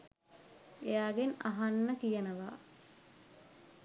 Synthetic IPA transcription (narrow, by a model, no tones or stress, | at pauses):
ejaːɡenaɦanːəkijənəʋa̰ː